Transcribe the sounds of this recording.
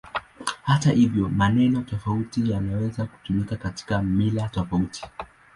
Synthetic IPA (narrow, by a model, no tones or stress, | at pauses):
hatahivjɔmanɛnɔtɔfautijanawɛzaku̥tumikakati̥kamilatɔfautʰi̥